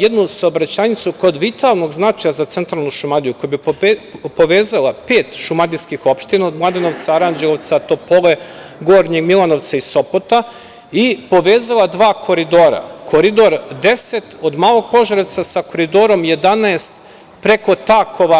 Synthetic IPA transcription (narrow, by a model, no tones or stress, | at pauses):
jed̪nusaobɾat͡ɕaːɲit̪suko̞d̪ʋit̪alˠno̞ɡznat͡ʃajazat̪e̞nt̪ɾalˠnuʃumad̪ijukojabi | po̞ʋeːzalˠape̞ːt̪ʃumad̪iskixo̞pʃt̪inaod̪mlˠad̪eno̞ʋt̪saɾand͡ʒeloʋt̪sat̪opole | ɡoːɾɲiɡmilˠano̞ʋt̪saiso̞pot̪a | ipo̞ʋeːzalˠad̪ʋaːkʰo̞ɾid̪o̞ːɾa̰kʰo̞ɾid̪o̞ɾd̪e̞se̞t̪od̪maːlˠo̞ɡ̚po̞ʒaɾt̪sasako̞ɾid̪o̞ːɾo̞mje̞d̪anaest̪ | pɾe̞ko̞t̪akʰo̞ʋa